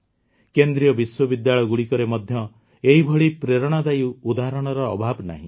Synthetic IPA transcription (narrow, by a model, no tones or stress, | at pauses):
kend̪ɾijɔbiswɔbid̪jaɭɔjɔɡuɽikɔɾemɔd̪ʱjɔ | eɦibʱɔɭipɾeɾɔɽ̃ad̪ajuud̪aɦɾɔɽ̃ɔɾɔ̰ːbʱabna̰ɦḭ̃